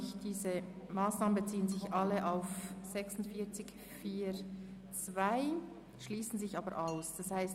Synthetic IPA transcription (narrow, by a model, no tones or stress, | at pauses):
çd̥iːzəmaːsnaːmən̩bət͡siːənzɪçʔaləʔaʊfz̥ɛksʊntfiːɐt͡sɪk | fiːɾ | t͡svaɪ | ʃliːsn̩zɪçɑːbəɾʔaʊsd̥ashaɪst